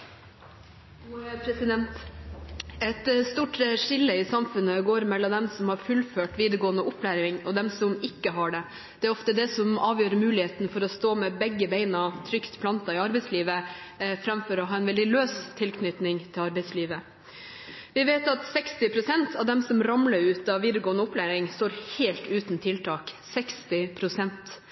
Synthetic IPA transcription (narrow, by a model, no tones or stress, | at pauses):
pʰɾɛsɪd̪ɛnt̪ | ɛt̪st̪uːʈʂɪlːəɪsɑmfʉnəɡoːɾmɛlːɔd̪ɛmsɔmhɑɾfʉlføːʈʋiːd̪əɾɡoːənəʔʊpʰlæːɾɪŋɔd̪ɛmsɔmɪkːəɦɑɖɛ | d̪̥ɛæɾɔft̪əd̪ɛsɔmɑːʋjøːɾəmʉːlɪheːt̪nfɔɾɔst̪oːmɛbɛɡːəbeɪnɑt̪ʰɾʏkt̪pʰlɑnt̪ɑɪɑɾbɛɪsliːʋəfɾɑmfɔɾɔɦɑːɛnʋɛld̪ɪløːst̪ʰɪlkʰnʏt̪nɪŋt̪ʰɪlɑɾbɛɪsliːʋə | ʋɪʋeːt̪ɑt̪sɛkst̪ɪpʰɾʊsɛnt̪ʰɑʋd̪ɛmsɔmɾɑmləɾʉːt̪ɑʋiːd̪əɾɡoːənəʊplæːɾɪŋst̪oːɾheːlt̪ʉːt̪n̩t̪ʰɪlt̪ʰɑːksɛkst̪ɪpʰɾʊsɛnt̪